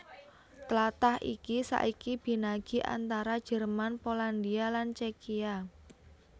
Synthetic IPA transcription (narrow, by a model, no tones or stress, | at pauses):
t̪əlat̪ahʔikisa̰ʔikib̥i̤naɡ̥i̤ʔa̰nt̪aɾad̥ʒ̥ɛ̤rmanpoland̪ialant͡ʃekia